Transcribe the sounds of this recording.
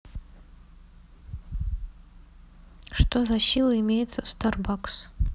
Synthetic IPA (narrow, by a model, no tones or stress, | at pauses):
ʂt̪ozɐsʲilˠəɪmʲejɪt̪səst̪arbaks